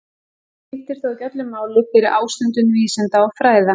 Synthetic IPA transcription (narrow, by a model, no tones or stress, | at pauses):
ɪht̪ɪɾ̥θaðcɛt̪lʏmaːwlʏfɪɾɪʔaːwst̪ʏnt̪ʏnviːsɛnt̪aafɾaːjða